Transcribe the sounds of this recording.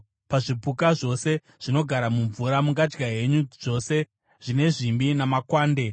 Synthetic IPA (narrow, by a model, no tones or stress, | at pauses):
paʐipukaʐo̞se̞ | ʐ̥ino̞ɡʱaɾamuɱvuɾamuŋɡad͡ʒɡaɦe̞ɲuʐo̞se̞ | ʐ̥ine̞ʐimbinamakwaːnde̞